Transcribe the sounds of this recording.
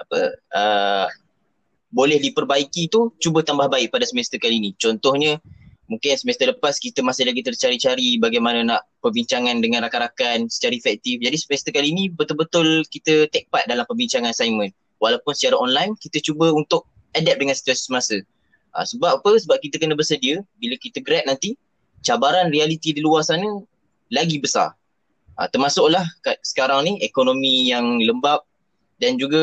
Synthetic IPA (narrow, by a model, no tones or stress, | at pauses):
apə̰ə | bolɛhdipərbaikit̪ut͡ʃubət̪ambahbaɪʔ̚padasəmɛst̪əkalinit͡ʃɔnt̪ɔhɲə | mũŋkɪnsəmest̪ələpaskit̪əmasɪhlaɡit̪ərt͡ʃaɾit͡ʃaɾibaɡajmananaʔpərbiɲt͡ʃaŋandəŋãnrakaɾakansə̥t͡ʃaɾaifɛk̚t̪ifd͡ʒadisəmɛst̪əkaliːnĩbət̪ʊlbət̪ʊlkit̪ət̪ɛk̚pat̪̚dalampəbiɲt͡ʃaŋansajmə̃n | walapʊnsət͡ʃaɾaʔɔnlajnkit̪ət͡ʃubəunt̪ʊk̚ | adɛp̚dəŋansi̥t̪uasi̥səmasə | ʔa̰səbappəsəbap̚kit̪əkənəbəsədiəbiləkit̪əɡɾɛt̪̚nant̪i | t͡ʃabaɾanrialit̪idiluarsanə | laɡibəsa̰r | ʔa̰t̪ərmasʊʔlahkasə̥kaɾaŋniɛkonomijaŋləmbap̚ | dand͡ʒuɡə